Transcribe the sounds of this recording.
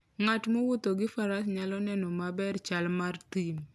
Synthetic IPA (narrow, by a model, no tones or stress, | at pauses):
ŋatmowʊt̪oɡɪfaɾasɲalɔnɛnɔmabɛrt͡ʃalmart̪im